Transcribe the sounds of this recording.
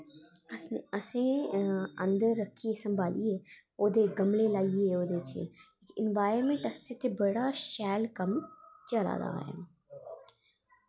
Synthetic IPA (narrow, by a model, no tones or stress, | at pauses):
ɐsẽ | ɐ̃nd̪əɾːəkʰːiesɐ̃mbʱaːlḭeoːd̪eɡɐmlelaːieoːd̪et͡ʃḛekɪ̃nʋaːjəɾmẽɳʈɐst̪et̪ebəɽaʃɛːlkɐmt͡ʃɐla̰ːd̪a̰ːḛ